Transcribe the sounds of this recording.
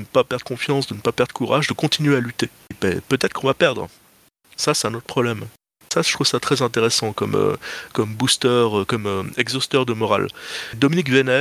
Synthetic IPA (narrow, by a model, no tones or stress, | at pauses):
ənəpapɛʁd̪ʁəkɔ̃fjɑ̃sd̪ənəpapɛʁd̪ʁəkuʁaʒd̪əkɔ̃t̪ʰinɥealyt̪e | bɛ̰pøt̪ɛt̪χəkɔ̃vapɛʁd̪ʁ | sasɛt̪ɛ̃not̪χpʰχɔblɛm | saʒ̥ət̪χuvsat̪χɛzɛ̃t̪eʁɛsɑ̃kɔmø̰kɔmbust̪œʁøkɔmøɛɡzɔst̪œʁd̪əmɔʁa̰ld̪ɔminikvenɛ